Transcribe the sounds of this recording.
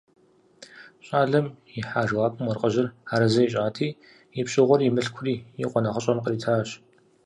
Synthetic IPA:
ɕʼaːɮɐmjɪħaːʒwaːkʼʊmɔrqʼɐʑɪraːɾɐzɐjiɕ̬ʼaːtʰiː | jɪpɕʼɪʁʷɔrimɨɬkʷʰʊriːjɪqʷɔnɐχəɕʼɐmqəɾiːtʰaːɕ

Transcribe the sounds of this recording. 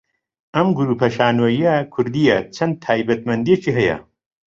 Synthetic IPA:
ʔɐmɡuɾuːpʰɐʃaːnwɐjiɐkʰʊɾd̪ijɐt͡ʃʰɐnd̪̚t̪ʰaːjbɐt̪mɐnd̪ijet͡ʃiɦɐjɐ̰

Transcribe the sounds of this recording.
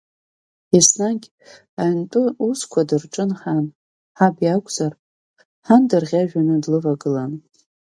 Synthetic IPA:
isnaɡʲ | antʼɨuskʷʰadɨrʈ͡ʂʼɨnħan | ħabjakʷʼz̥ar | ħandɨrʁʲaʒᶣanɨdlɨvaɡɨlan

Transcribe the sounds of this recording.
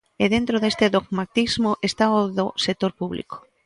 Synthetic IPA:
eðent̪ɾoðest̪eðoɣmat̪izmʊʔest̪aoðosek̚t̪oɾpuβlḭko̥

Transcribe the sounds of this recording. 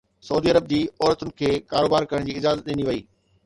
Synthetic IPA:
sɐuːd̪iːɐɾəb̚d͡ʑiːɔːɾət̪ʊnɪ̆kʰeːkaːɾoːbaːɾkɐɾəɽ̃d͡ʑiːɪd͡ʑaːzət̪̚ɗɪniʋɐiː

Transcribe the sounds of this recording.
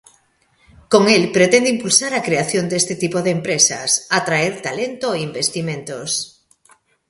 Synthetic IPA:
koŋelpɾet̪end̪eĩmpulsaɾakɾeaθjond̪est̪et̪ipoðeːmpɾesa̰sat̪ɾaeɾt̪alent̪oeimbest̪imẽnt̪os

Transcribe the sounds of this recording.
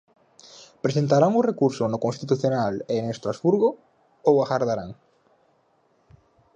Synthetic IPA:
pɾesent̪aɾaŋʊrekuɾsʊnʊkonst̪it̪uθjonaleŋest̪ɾazβuɾɣʊ | owaxaɾðaɾaŋ

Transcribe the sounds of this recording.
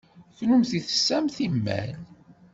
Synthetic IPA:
θnumθiθə̥sːæmθimːæ̰n

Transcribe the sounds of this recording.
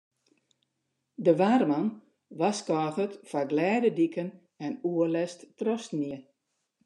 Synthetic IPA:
dəʋarmɑn | ʋaskɔɣətfaɡlɛːdədikən | ɛnuəlɛstːrɔsniə

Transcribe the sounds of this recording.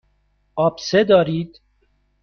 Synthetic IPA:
ɒːbsed̪ɒːɾiːd̪̥

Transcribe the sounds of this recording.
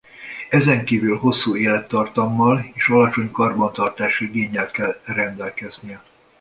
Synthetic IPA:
ɛzɛŋkiːvylho̞sːuːeːlɛt̪ːɒrt̪ɒmːɒleːʃɒlɒt͡ʃo̞ɲkɒrbɒnt̪ɒrt̪aːʃiɡeːɲːɛlt̪kɛlrɛnd̪ɛlkɛznijɛ

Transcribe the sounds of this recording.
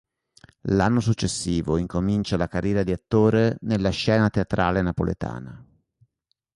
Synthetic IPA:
lanːosut͡ʃːesːiːvoiŋkomint͡ʃalakarːjɛːɾad̪iat̪ːoːɾenelːaʃɛːnat̪eat̪ɾʔaːlenapo̰lḛt̪a̰ːna

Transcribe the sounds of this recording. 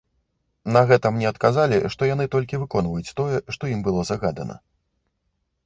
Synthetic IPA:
nɐɣɛt̪ɐmnʲɛɐt̪kazalʲiʂt̪ɔjanɨt̪ɔlʲkʲivɨkɔn̪vɐjut͡sʲt̪ɔjɛʂt̪ɔimbɨlˠɔzɐɣad̪ɐ̰nɐ̰

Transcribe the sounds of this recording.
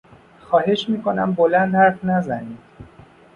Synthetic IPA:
xɒːɦe̞ʃmiːko̞næmbolænd̪hæɾfnæzæniːd̪̥

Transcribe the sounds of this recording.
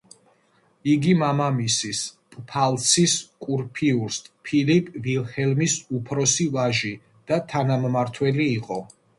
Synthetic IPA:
iɡimamamisispʼpʰalˠt̪sʰiskʼuɾpʰiuɾst̪ʼpʰilipʼvilˠhɛlmisupʰɾɔsivaʒi | d̪̥at̪ʰanammaɾt̪ʰwɛliːqʼɔ

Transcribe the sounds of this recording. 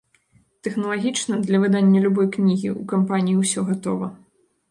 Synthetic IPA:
t̪ɛxnɐlˠaɣʲit͡ʂnɐd̪lʲɐvɨd̪anʲːɐlʲubɔjknʲiɣʲḭʔukampanʲijiwsʲɔɣat̪ɔvɐ

